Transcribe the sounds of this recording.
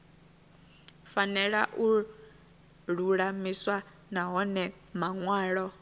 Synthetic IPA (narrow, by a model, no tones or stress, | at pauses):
fanɛɺaʔu | ɺuɺamiswa | naɦɔnɛ | maŋwaːɺɔ